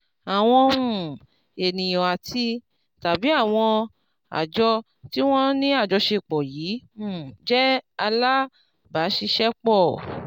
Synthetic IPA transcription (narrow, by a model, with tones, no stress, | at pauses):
a˨w̃ɔ̃˧ũ˨ | e˨nĩ˨jɔ̃˨a˨tʰi˦ | ta˨bi˨˦a˦˨w̃ɔ̃˧ | a̰˨d͡ʒɔ˧ | ti˦w̃ɔ̃˦nĩ˦a˦˨d͡ʒɔ˧ʃe˧˨k͡pɔ˨jiː˨˦˨d͡ʒɛ˦a˧la˦ | ba˨˦ʃi˧ʃɛ˦k͡pɔ˦˨